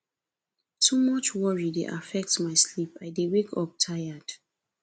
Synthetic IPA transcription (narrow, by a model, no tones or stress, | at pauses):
tʰumʌt͡ʃwɔɹidḛʔa̰fɛk̚tmaɪslipaɪdewekʰɔp̚tʰajad̥